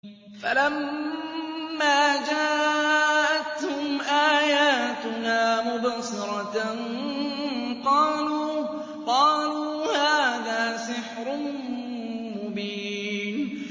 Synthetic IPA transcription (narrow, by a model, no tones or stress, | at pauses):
falam | aːd͡ʒaː | ʔat̪hʊmʔaːjaːt̪ʊnaːmʊbasɨɾˤɑt̪an | qɑːluː | qɑːluːhaːðaːsɪħɾʊ | mʊbiːn